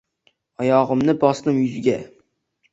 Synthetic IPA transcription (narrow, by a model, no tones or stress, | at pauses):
ɒjɒʁɨmnɪbɒsnɪmjʊzɡʲa